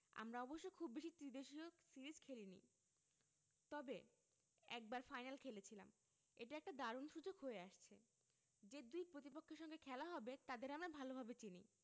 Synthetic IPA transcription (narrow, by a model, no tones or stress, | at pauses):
a̰mɾaɔboʃːojkʰubːeʃit̪ɾid̪eʃiosiɾid͡ʑkʰelinḭ | t̪ɔbe | ɛ̰k̚baɾfajnalkʰelet͡ɕʰila̰m | eʈaɛk̚ʈad̪aɾonʃud͡ʑoɡɦoeaʃt͡ɕʰe | d͡ʑed̪ujpɾot̪ipokʰːeɾʃɔŋɡekʰɛlaɦɔbet̪ad̪eɾamɾabʱalobʱabet͡ɕinḭ